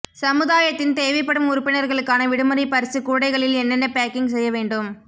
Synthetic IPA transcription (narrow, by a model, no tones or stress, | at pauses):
sɐmɯðaːjɐt̪ːɪnt̪eːʋɪpːɐɽɯmʊɾʊpːɪnɐɾɣɐɭɯkːaːnɐʋɪɽɯmɐɾipɐɾɪsɯkuːɽɐɪɣɐɭɪlɛnːɛnːɐpaːkɪŋɡsɛjːɐʋeːɳɖɯm